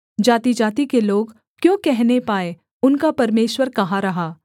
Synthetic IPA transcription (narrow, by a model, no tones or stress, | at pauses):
d͡ʒaːt̪id͡ʒaːt̪ikeloːɡ | kjõːkɛɦnepaːe | ʊnkapɐɾmeːʃwəɾkɐɦaɾɐɦaː